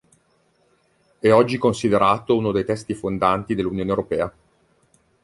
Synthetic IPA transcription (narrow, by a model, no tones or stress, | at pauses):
ɛɔd͡ʒːikonsid̪eɾaːt̪ounod̪ejt̪ɛst̪ifond̪ant̪id̪elːunjoːnewɾopɛːa